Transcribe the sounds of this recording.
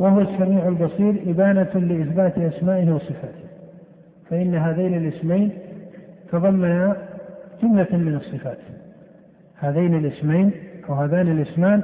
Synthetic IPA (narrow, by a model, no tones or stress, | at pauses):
wahʊwasːamiːʕalbɑsˤiːɾʔɪbaːnalɪʔɪθbaːt̪ʔasmaːʔɪhiwɑsˤɨfaːt̪ɪ̥h | faʔɪnːaɦaðaːnɪlʔɪsmajn | t̪ɑðˤɑmːanad͡ʒʊmlamɪnɑsˤːɨfaːt̪ | haːðaːnɪlʔɪsmajnʔawɦaːðaːnɪlʔɪsmaːn